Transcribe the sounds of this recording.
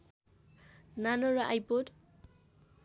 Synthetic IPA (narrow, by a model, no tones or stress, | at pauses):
nanɔɾaʔajpod